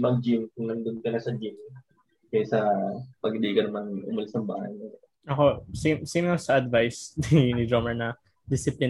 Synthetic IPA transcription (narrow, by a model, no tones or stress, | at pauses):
mɐɡ̚d͡ʒɪmkʊŋlɐnd̪ʊn̚kɐnɐsɐd͡ʒɪm | kɐjsɐpɐɡɪd̪iːɡɐnɐmɐnʔʊ̰mɐlɪsnɐmbaːhɐ̰jno | ʔɐko̞simsimŋɐsɐʔɐd̪vajsninɪd̪ɾomɛɹnɐ | d̪ɪsɪplɪ